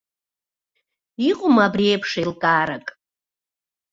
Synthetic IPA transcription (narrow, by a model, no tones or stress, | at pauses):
iqʼʊmabriepʰʂajlkʼaːɾakʼ